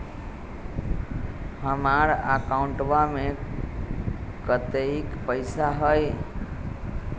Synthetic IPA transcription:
həmaɾakaũɳʈʋame | kət̪eikpəɪsaɦəj

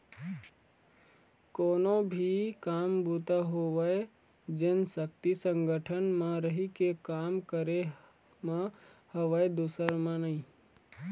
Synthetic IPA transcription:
koːnõbʱikaːmbuːt̪aɦoʋəed͡ʒɪnsək̚t̪isə̃ŋɡəʈʰənmãɾəɦikekaːmkəɾemãhəʋəed̪uːsəɾmãnaĩ

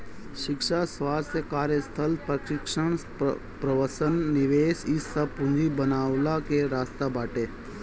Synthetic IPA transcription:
ʃɪkʃasʋaːst̪jəkaːɾjəst̪ʰəlpɾəʃɪkʃəɳ | pɾəʋəsənːɪʋeːsɪsːɐpʊ̃nd͡ʒibənaːʋlakeɾaːst̪abaːʈeː

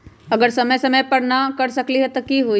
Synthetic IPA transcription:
ɐɡəɾsɐməjsɐməjpɐɽnakɐɾsɐkliɦɛt̪okiɦu

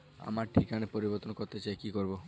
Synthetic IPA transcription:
a̰maɾʈʰikanepɔɾibɔɾt̪ɔnkɔɾt̪et͡ʃaekikɔɾbo

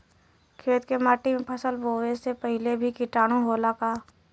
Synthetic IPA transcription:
kʰeːt̪kemaːʈimẽpʰəsəlboːʋesepəɦɪlebʱikɪʈaːɽ̃ũɦolakaː

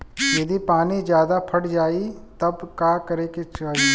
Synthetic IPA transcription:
jɐd̪ipaːnid͡ʒjaːd̪apʰɐɽd͡ʒaːit̪ɐbkaːkɐɾeket͡ʃaː

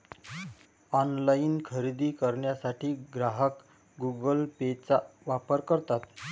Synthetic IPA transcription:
ɔnlainkʰəɾid̪iːkəɾɳjasaʈʰiːɡɾaɦək | ɡuɡəlpet͡saʋapəɾkəɾt̪at̪

